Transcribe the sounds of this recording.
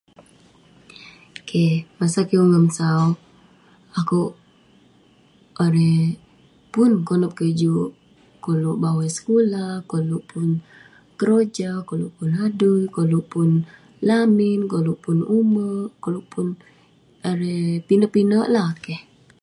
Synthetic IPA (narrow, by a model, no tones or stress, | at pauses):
kʰemasakiuŋəmsau | akuʔ | aɾe | punkonəp̚kəd͡ʒuʔ | koluʔbawasə̥kulahkoluʔpun | kəɾod͡ʒakoluʔpunadulkoluʔpun | laminkoluʔpunuməkoluʔpun | aɾepinəʔpinəʔlahkeh